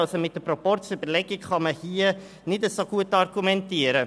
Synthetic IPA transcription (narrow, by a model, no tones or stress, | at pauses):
ɑlsomɪt̚d̥əpropɔrt͡sybəɾlɛɡikχɑməhiːə | nɪdəsoɡ̥uətɑrɡumɛntiəɾə